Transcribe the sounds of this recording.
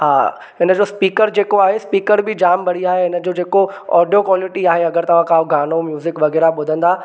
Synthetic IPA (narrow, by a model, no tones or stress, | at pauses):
ɦaː | ɦɪnəd͡ʑoːspiːkəɾd͡ʑeːkoaːɦespiːkəɾbʱɪd͡ʑaːmbʱɐɽ̤iaːɦeɪnə̆d͡ʑoːd͡ʑeːkoɔ̰ːɖijokʋaːlɪʈiaːɦeɐɡəɾt̪ɐʋ̤ãkaːoɡʱaːñomjuːzɪkʋɐɣɛːɾaɓʊd̪ʱə̃nd̪aː